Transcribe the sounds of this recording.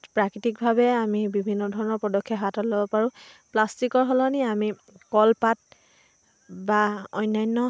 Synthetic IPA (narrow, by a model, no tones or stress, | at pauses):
pɹakitik̚bʱabɛamibibʱinːɔdʱɔɹɔnɔɹpɔdɔkʰːjɔɦatɔtlɔbɔpaɹũplastikɔɹɦɔlɔniami | kɔlpat̚ | baɔjnːajnːɔ